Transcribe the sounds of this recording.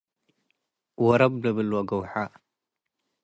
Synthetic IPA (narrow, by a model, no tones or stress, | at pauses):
waɾablabəlwaɡawħa